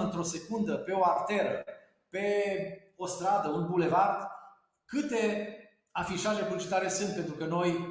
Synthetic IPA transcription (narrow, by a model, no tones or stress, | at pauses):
ɨnt̪ɾo̞se̞kund̪əpe̞o̞akt̪e̞ɾə | pe̞ | o̞st̪ɾad̪əunbule̞vard̪ | kɨt̪e̞ | afiʃaʒe̞buit͡ʃit̪aɾe̞sɨnt̪̚pe̞nt̪ɾukəno̞j